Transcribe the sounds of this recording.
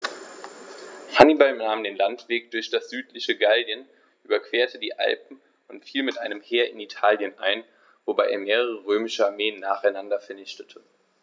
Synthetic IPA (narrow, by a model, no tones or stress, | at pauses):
hanibalnaːmdeːnlantv̥eːk̚d̥ʊɐçd̥asz̥yːtlɪçəɡaldjən | ʔyːbɐkv̥eːɐtʰədiːʔa̰lpm̩ | ʊntfiːlmɪtʔaɪnəmheːɐɪnitʰaːljənʔa̰ɪn | vobaɪʔeːɐmeːʁəʁəʁøːmɪʃəaɐmeːənːaːχaɪnandɐfɛɐnɪçtətʰə